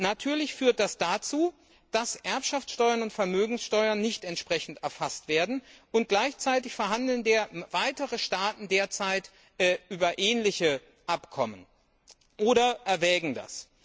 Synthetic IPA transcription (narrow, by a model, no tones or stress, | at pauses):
natʰyːɐlɪçfyːɐt̚d̥asd̥at͡suː | d̥asʔɛɐpʃaft͡sʃtɔʏɐnʊntfɛɐmøːɡŋ̩sʃtɔʏɐnːɪçtɛntʃpʁ̥ɛçn̩tɛɐfastv̥eːɐdn̩ʔʊnt̚ɡ̥laɪçt͡saɪtɪçfɛɐɦandl̩ndeːɐvaɪtəʁəʃtaːtn̩deːɐt͡saɪt | ɛʔyːbɐʔɛːnlɪçə | ʔapkʰɔmən | ʔoːɾɐʔɛɐvɛːɡŋ̩da̰s